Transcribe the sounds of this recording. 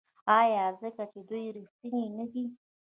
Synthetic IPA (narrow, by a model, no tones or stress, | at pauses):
ajazəkat͡ʃed̪ujɾist̪inenəɡi